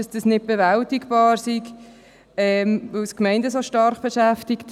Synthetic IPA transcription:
ɑsd̥əsnɪt̚b̥ɛvæltɪkbɑːɾsik | ɛmʋəskmɛɪndəsoʃtɑrχb̥əʃæftɪkt

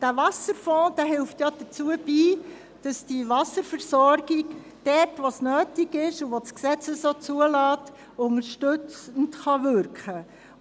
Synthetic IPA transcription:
d̥ævɑsəɾfɔ̃ːd̥æːɦɪlftjɑd̥ət͡suəbiː | d̥ɑsd̥iʋɑsəɾfəɾsɔɾɡiɡ | d̥ɛtʋosnœːtiɡɪʃuʋosksɛt͡sɛsoːt͡suəlɑːt | ʊŋəɾʃtʏt͡səntχɑʋʏɾkχə

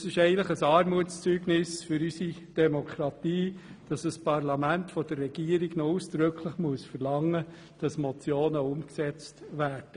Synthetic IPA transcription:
sɪʃɛɪən̩tləχəsɑːɾmuətt͡st͡syːɡnɪsfʏɾysid̥ɛmɔkʰχɾɑt̪iːd̥ɑsəspɑrlɑmæntfɔd̥ərːɛɡ̥iːəɾɪɡnɔusd̥ɾøkʰləχmuəsfərlɑŋːə | d̥ɑsmɔt͡sjoːnəʊmksɛt͡stvæːɾd̥ə

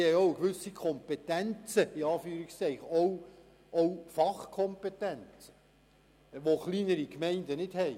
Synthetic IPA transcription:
hɛjowəɡʋʏsikʰɔmpetænt͡səɪɑːfyːɾikstɛɪχɔw | ʔɔwfɑχkʰɔmpetɛnt͡sə̥ | ʋoχliːnəɾikmɛɪndənɪd̥hɛj

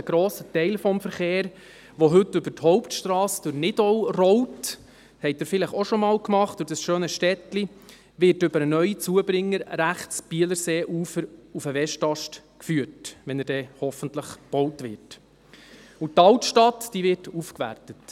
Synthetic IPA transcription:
əɡ̥ɾoːsətɛɪlfɔmfəɾχeːɾ | ʋoɦɵtːʏbəthɔʊptʃtɾɑːsd̥ʊɾnɪdɔwrɔwt | hɛɪt̚dəɾfɪləχoʃɔmɑːlkmɑχt̚d̥ʊɾd̥ɑsʃøːnəʃtɛtli | ʋɪɾtʏbəɾənœʏit͡suəbɾɪŋːəɾɾæχtt͡sb̥iːələɾseːʔuːfəɾufəʋɛʃtɑʃt | kfyːəɾtʋɛnəɾdɛːhɔfənt̪ləχb̥ɔwtʋɪɾt | ʊtːɑltʃtɑtd̥iːʋɪɾtufkʋæ̰rtət

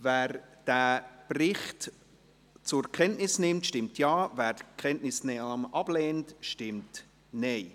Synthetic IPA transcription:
vɛːɾd̥æːprɪχt | t͡sʊɾkʰɛntnɪsnɪmtʃtɪmtjɑːvæːɾdkʰχɛntnɪsnɛɑmʔɑb̥lɛːntʃtɪmt | neɪ

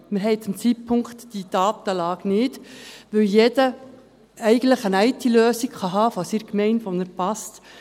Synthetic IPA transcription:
mɪɾɦɛɪt͡sʊmt͡sitpʰʊŋkχtːid̥ɑːt̪əlɑːɡnɪːdʋɵwjed̥ə | ɛɪɡəntləχənæɪtiløːsikχɑɦɑːfɑsiɾkmɛɪntʋonəɾpɑst

